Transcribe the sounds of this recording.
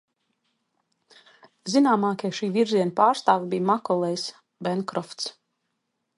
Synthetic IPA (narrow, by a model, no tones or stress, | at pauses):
zinaːmaːkʲɛjʃiːviɾziɛnpaːɾst̪aːvabijmakɔlˠɛjs | bɛnkɾɔft̪s